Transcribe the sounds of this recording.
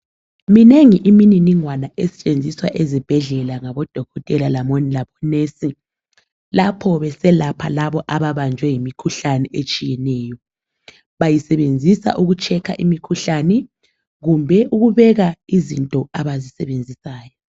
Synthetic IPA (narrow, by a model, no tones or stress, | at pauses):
mineŋiʔimininiŋwanaʔesɛ̥t͡ʃʼend͡zʱiswaʔezib̥ʱɛɮɛlaŋaβɔd̥ʱɔɣɔtʼɛlalamonilaβɔnesi | lapʰɔβɛsɛlapʰalaβɔʔaβaβand͡ʒʱwɛjimikʰuɬanɛʔet͡ʃʼijɛnɛːjɔ | βajisɛβend͡zʱisa̰ʔuɣut͡ʃʰɛkʰa̰ʔimikʰuɬanɛ | ɣumbʱɛʔuɣuβɛɣaizintʼɔaβazisɛβend͡zʱisaːjɔ